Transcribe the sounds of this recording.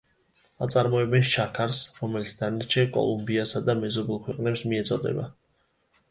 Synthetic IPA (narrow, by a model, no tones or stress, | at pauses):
at̪sʼaɾmɔɛbɛnʃakʰaɾsɾɔmɛlit̪sʰd̪anaɾt͡ʃʰɛkʼɔ̰lˠumbiasad̪amɛzɔbɛlˠkʰwɛqʼnɛpsmiɛt̪sʼɔd̪ɛ̰ba̰